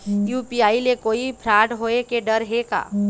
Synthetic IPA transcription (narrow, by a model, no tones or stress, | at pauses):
juːpiaːilekoːipʰɾaːʈɦoːekeɖəɾɦeka̰ː